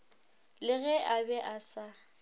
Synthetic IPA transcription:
lɪɣɛʔabɛʔasa

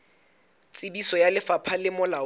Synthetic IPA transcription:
t͡sʼɪbisɔjalɪfapʰalɪmʊla

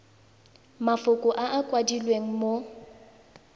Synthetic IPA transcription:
mafʊkʼʊʔaʔakʼwadilweŋ̩mo

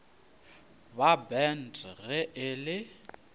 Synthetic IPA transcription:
babɛn̩dʰʼɣɛʔɪlɪ

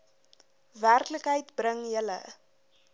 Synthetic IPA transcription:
værkləkɦəjtbrəŋjələ̰

